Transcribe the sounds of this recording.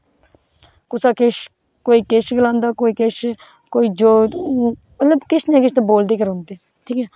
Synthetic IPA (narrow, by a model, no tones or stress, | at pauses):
kʊsaːkeʃ | koːiːkeʃɡəlãːnd̪aːkoːiːkeʃ | koːiːd͡ʒoː | mət̪ləbkɪt͡ʃnẽːkɪʃʰt̪eboːld̪eːkəɾɦʊ̃nd̪eː | ʈʰiːkɛː